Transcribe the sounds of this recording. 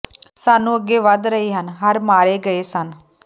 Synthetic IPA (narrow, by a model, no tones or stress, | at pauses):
saːnũːəɡːeːʋəd̪ɾəɦiːɦənɦəɾmaːɾeːɡəeːsən